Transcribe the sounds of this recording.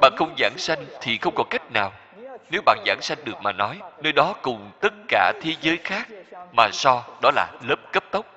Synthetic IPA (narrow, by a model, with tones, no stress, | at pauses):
ɓa̰ː˧˨nxə˧wŋ͡mza̰ː˧˩nsa˧jŋ̟t̪ʰi˨˩xə˧wŋ͡mkɔ˨˦ka˦˥jk̟̚naː˨˩w | ne˨˦wɓa̰ː˧˨nza̰ː˧˩nsa˧jŋ̟ɗɨ˨˩ək̚maː˨˩nɔ˨˦jnəː˧jɗɔ˨˦kʊ˨˩ŋ͡mt̪ə˦˥t̚kaː˧˩t̪ʰe˨˦zəː˨˦jxaː˦˥k̚maː˨˩sɔ˧ɗɔ˨˦laː˨˩ləː˦˥p̚kə˦˥p̚t̪ə˦˥wk͡p̚